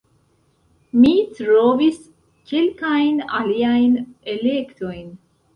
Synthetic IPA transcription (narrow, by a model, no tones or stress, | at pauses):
mitɾovis | kʰelkajna̰liajne̞le̞kto̞jn